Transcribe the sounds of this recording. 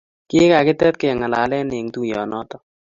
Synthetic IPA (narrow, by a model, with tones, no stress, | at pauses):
kɪ˦ka˨kɪ˦tɛ˦t̚kɛ˨ŋa˨la˨lɛ˦ne˨ŋtu˦jɔ˨nɔ˦tɔ˦